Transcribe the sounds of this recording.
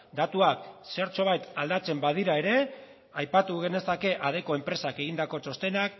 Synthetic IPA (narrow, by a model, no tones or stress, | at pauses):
d̪at̪uakse̞ɾt͡so̞β̞ajt̪ald̪at͡se̞mbað̞iɾae̞ɾe̞ | ajpat̪uɣe̞ne̞sake̞ʔað̞e̞ko̞e̞mpɾe̞sake̞ɣ̞ind̪ako̞t͡so̞st̪e̞nak